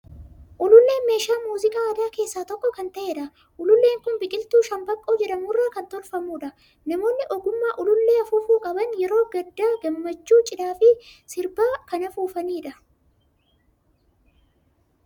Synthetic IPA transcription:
ʔʊlʊlːeːnme̞ːʃaːmuːzɪkʼaːɐd̪aːke̞ːsːaːt̪ɔkːɔkɐnt̪ɐʔeːᶑɐ | ʔʊlʊlːe̞ːŋkʊnbɪkʼɪlt̪uːʃɐmbɐkʼːo̞ːd͡ʒɛᶑɐmuːrːaːkɐnt̪ɔɾfɐmuːᶑɐ | nɐmo̞ːnːɪʔɔɡʊmːaːʔʊlʊlːe̞ːɐfuːfuːkʼɐbɐnjɛɾo̞ːɡɐd̪ːaːɡɐmːɐt͡ʃːuːt͡ʃʼɪd̪aːfɪsɪɾbaːkɐnɐfuːfɐniːᶑɐ

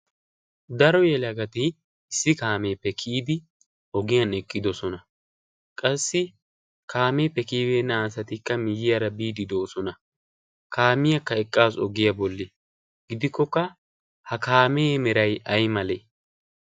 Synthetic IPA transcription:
d̪ɐɾɔjɛlɐɡɐt̪ɪ | ɪsːɪkaːmeːpːɛkʰiːd̪ɪ | ɔɡɪjɐnɛkʼːɪd̪ɔsɔnɐ | kʼɐsːɪ | kaːmeːpːɛkiːbeːnːɐːsɐt̪ɪkːɐmɪjɪjɐɾɐbiːd̪ɪd̪oːsɔnɐ | kaːmɪjɐkːɐɛkʼːaːsɔ̰ɡɪjɐbɔlːɪ | ɡɪd̪ɪkːɔkːɐ | hɐkaːmeːmɛɾɐjɐjmɐleː

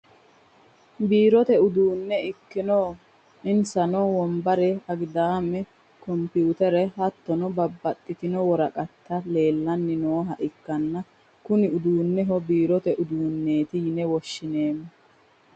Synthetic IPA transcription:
biːɾɔt̪ɛʊd̪uːnːɛɪkːɪnoː | ɪnsɐnɔwɔmbɐɾɛɐɡd̪aːmɛ | kɔmpjuːt̪ɛɾɛhɐt̪ːɔnɔbɐbːɐt̪ʼːɪt̪ɪnɔwɔɾɐkʼɐt̪ːɐle̞ːlːɐnːɪnoːɦɐʔɪkːɐnːɐ | kʊnɪʊd̪uːnːɛɦɔbiːɾɔt̪ɛʔʊd̪uːnːe̞ːt̪ɪjɪnɛwɔʃːɪne̞ːmːɛ

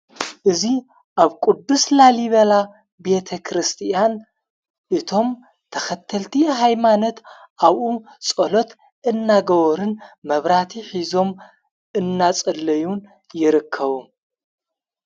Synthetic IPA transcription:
ʔɨzi | ʔaβkʼud̪ːuslaliβɐla | be̞t̪ʰɐkʰɾɨst̪ʰijan | ʔɨt̪ʰo̞m | t̪ʰɐxɐt̪ʰːɐlt̪ʰiɦajmano̞t̪ | ʔaβʔut͡sʼolo̞t̪ | ɨnːaɡɐwoɾɨnmɐβɾat̪ʰiħizo̞m | ʔɨnːat͡sʼɐlɐjun | jɪɾɨkʰːɐβu

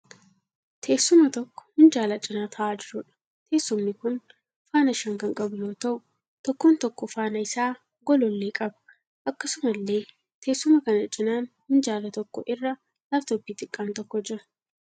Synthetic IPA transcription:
t̪ʰe̞ːsːʊmɐt̪ɔkːɔ̥hʊnd͡ʒaːlɐt͡ʃʼɪnaːt̪ʰɐʔaːd͡ʒɪɾʊᶑɐ̥ | t̪ʰe̞ːsːʊmnɪkʊn | faːnɐʃɐŋkɐŋkʼɐbʊjoːt̪ɐʔʊ | t̪ɔkːoːnt̪ɔkːɔfaːnɐɪsaː | ɡɔlɔlːeːkʼɐbɐ̥ | ʔɐkːɐsʊmɐlːe̞ː | t̪ʰe̞ːsːʊmɐkɐnɐt͡ʃʼɪnaːnhʊnd͡ʒaːlɐt̪ɔkːɔ̰ʔɪrːɐ | lɐft̪ɔpːiːt̪ʼɪkʼːaːnt̪ɔkːɔd͡ʒɪɾʊ̥

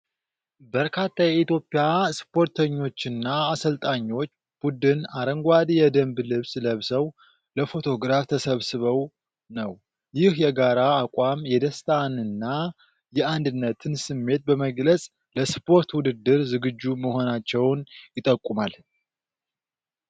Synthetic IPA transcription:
bəɾkʰat̪ʰːajɛit̪ʰjo̞pʼːɪjaspʰo̞ɾt̪ʰəɲːo̞t͡ʃːɪnːaːsəlt̪ʼaɲːo̞t͡ʃː | b̥ud̪ɨnaɾəŋɡʷad̪jɛd̪əmblɨβsləβsəw | ləfo̞t̪ʰo̞ɡɾaft̪ʰəsəβsɨβəw | nəw | jɪhjɛɡaɾaːkʷʼwamjɛd̪əst̪ʰʼanɨnːa | jɛand̪ɨnːət̪ʰɨnsɨmːe̞t̪̚bəməɡlət͡sʼ | ləspʰo̞ɾt̪wʊd̪ɨd̪ːɨɾzɨɡɨd͡ʒːuməho̞nat͡ʃːɛwnjɪt̪ʼəkʼːumal

